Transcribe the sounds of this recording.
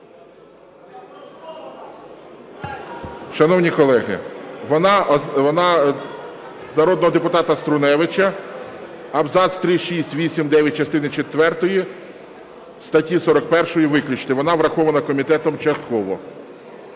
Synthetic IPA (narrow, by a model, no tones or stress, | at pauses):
ʃɐnɔwnʲikɔlˠɛɦɪ̰ʋɔnɑɔnɑ | nɐɾɔd̪nɔɦɔd̪epʊt̪ɑt̪ɐst̪ɾʊnɛʋɪt͡ʃɐ | ɐbzɑd̪st̪ɾɪʃisʲtʲʋʲisʲimd̪ɛʋʲjɐt̚ʲt͡ʃɐst̪ɪnɪt͡ʃet̪ʋɛrt̪ɔji | st̪ɐtʲisɔɾɔkpɛrʃɔjiʋɪklʲʊt͡ʃt̪ɪʋɔnɑʋɾɐxɔʋɐnɐkɔmʲit̪ɛt̪ɔmt͡ʃɐst̪kɔʋɔ̰